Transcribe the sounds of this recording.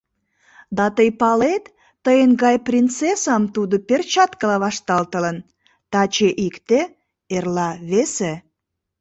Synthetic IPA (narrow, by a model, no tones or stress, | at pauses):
d̪ɑt̪əjpɑlet̪ː | əjenɡɑjprʲint͡sesɑmt̪ud̪upert͡ɕɑt̪kəlɑβɑʃt̪ɑlt̪ə̆lən | t̪ɑt͡ɕeʔikt̪e | erlɑβese